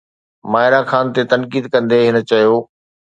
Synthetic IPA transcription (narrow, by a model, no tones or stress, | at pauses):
maːɦɪɾaxʰaːnt̪et̪ɐnkiːd̪kɐ̃nd̪eɦɪnə̆t͡ɕɐjoː